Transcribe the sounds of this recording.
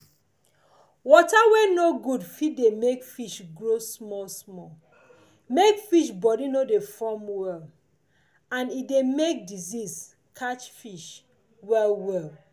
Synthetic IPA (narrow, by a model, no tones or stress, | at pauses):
wɔtawɛnoɡudfit̚demekfiʃɡɹosmɔlsmɔl | mekfiʃbɔdinodefɔmwɛl | ãnidemek̚dizis | kʰat͡ʃfiʃ | wɛlwɛl